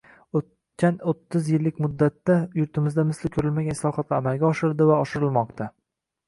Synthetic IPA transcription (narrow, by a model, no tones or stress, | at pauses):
ot̪ | kʲʰanot̪ʰːɪzjɪlːɪkʲmʊd̪ːat̪ːajʊɾt̪ʰɪmɪzd̪amɪslɪkʲʰʊɾɪlmaɡʲanɪslˠɒχɒt̪laːmalˠɡʲaɒʃɪɾd̪ɪvaɒʃɪɾɪlmɒq̚t̪ʰa